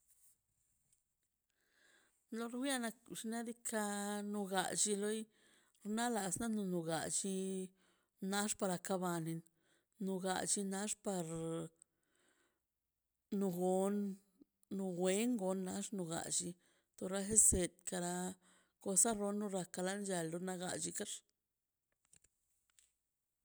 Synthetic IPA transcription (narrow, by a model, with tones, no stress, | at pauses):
lo˧ɾwʷja˦na˧ʂi˧na˦d̪i˦kʰa˧nu˧ɡa̰˨t͡ʃi˧lo˦j | ɾna˦la˨sna˦nu˧nu˨ɡa̰˨t͡ʃi˧ | na˦ʂpa˧ɾa˧ka˧ba˨ni˧n | nu˧ɡa̰˨t͡ʃi˧na˦ʂpa˧ɾ | u˧ɡo˧nː | u˧we˦ŋɡo˧nːa˦ʂnu˧ɡa̰˨t͡ʃi˧ | t̪o˧ɾa˧se˦se˧d̪ka˧ɾa˧ | ko˧sa˦ɾo˧˦nːu˧ɾa˧ka˧la˦nd͡ʒa˧˨lːo˧na˧ɡa̰˧˨t͡ʃi˧ka˦ɾ